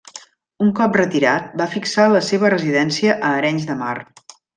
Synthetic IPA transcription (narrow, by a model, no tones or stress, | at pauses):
uŋkɔprət̪iɾat̪̚bafiksaləseβ̞ərəziðɛnsiəʔəːɾɛɲzd̪əma̰r